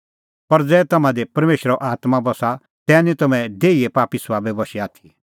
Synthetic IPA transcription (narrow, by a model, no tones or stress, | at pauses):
pɐɾd͡zɛːt̪ɐmãd̪epɐɾmeːʃəɾɔʔaːt̪mabɐsa | t̪ɛːnĩt̪ɐmɛ̃d̪eːiepaːpisʋaːbɛbɐʃiaːt̪ʰi̥